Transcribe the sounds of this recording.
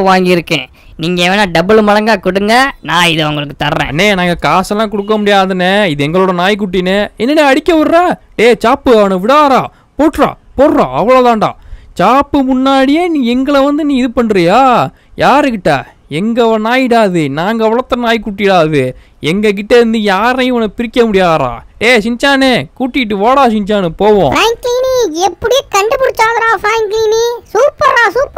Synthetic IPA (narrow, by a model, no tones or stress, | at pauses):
ʋaːŋɡɪɪɾɯkːḛ̃ː | niːŋɡɐeʋenaːɖɐbɪɭmɐɽɐŋɡaːkʊɽɯŋɡɐnãːɪðɐʊŋɡɐɭɯkːɯt̪ɐɾːḛ̃ːɐnːeːnaːŋɡɐkaːsɛlːãːkʊɽɯk̬ːɐmʊɽɪjaːðɯnɛɪðɯɛŋɡɐɭoːɽɐnaːjk̬ʊʈːinɛɛnːɐneːɐɽɪkːɐʋɐɾɾaː | ɖeːt͡ʃaːpːɯɐʋɳɯ̃ʋɪɽaːɾãː | poːʈːɾã̰ːpoːɾɾã̰ːɐʋɐɭoːt̪ãːɳɖã̰ːt͡ʃaːpːɯmʊnːaːɽɪjeːnĩːɛŋɡɐɭɛʋɐnd̪ɯnĩːɪðɯpɐɳːɾɐjaː | jaːɾɯkɪʈːa̰ː | ɛŋɡɐʋɐnaːjɪɽaːðɯnaːŋɡɐʋɐɭɐt̪ːɐnaːjk̬uːʈ̬ːɪɽaːðɯ | ɛŋɡɐk̬ɪʈːeːɾɯnd̪ɯjaːɾɐjɐʋɐnɐpɪɾɪkʲːɐmʊɽɪjaːɾã̰ːeːsɪɲt͡ʃaːnekuːʈːɪɪʈ̬ːɯʋaːɽaːsɪɲt͡ʃaːnɯpoːʋõːɾaːŋkiniɛpːɐɽɪjeːkɐɳɖɯpʊɽɪt͡ʃːaːðɐɾãːpɾaːŋkiːnisuːpɐɾaːsuːp